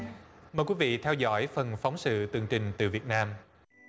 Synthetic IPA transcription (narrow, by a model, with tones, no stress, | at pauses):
məː˨˩jkwi˨˦vḭ˧˨t̪ʰɛ˧wzɔ̰˧˥jfə˨˩nfa˨˦wŋ͡msɨ̰˧˨t̪ɨ˨˩əŋt͡ɕï˨˩ŋ̟t̪ɨ̰˨˩vi˨˩ət̚naː˧m